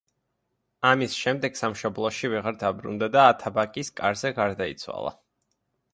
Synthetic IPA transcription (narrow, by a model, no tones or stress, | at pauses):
amisʃɛmd̪ɛɡ̥samʃɔblˠɔʃivɛʁaɾd̪abɾṵnd̪ad̪aːt̪ʰabakʼiskʼaɾzɛɡaɾd̪aḭt̪sʰwa̰lˠa̰